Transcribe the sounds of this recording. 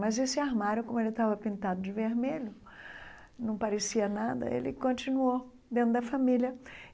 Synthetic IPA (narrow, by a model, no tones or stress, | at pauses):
mɐzesɪaɾmaɾʊkõmʊelɪt̪avɐpĩnt̪ad̪ʊd͡ʒɪveɾmeʎʊ | nɐ̃w̃paɾesiɐnad̪ɐ̰ḛlɪkõt͡ʃinuo | d̪ẽnt̪ʊd̪ɐfamiljɐ